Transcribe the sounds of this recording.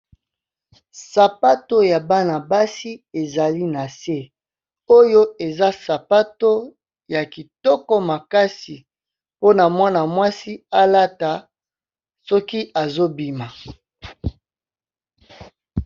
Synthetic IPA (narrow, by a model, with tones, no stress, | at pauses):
sa˨pa˦to˦ja˨ba˦na˨ba˦si˦e˨za˨li˦na˨se˦ | o˦jo˦e˨za˦sa˨pa˦to˦ | ja˨ki˨tɔ˦kɔ˦ma˨ka˦si˨ | po˦na˨mwa˦na˨mwa˦si˦a˦la˦ta˨ | sɔ˦ki˦ʔa˨zo˦bi˨ma˨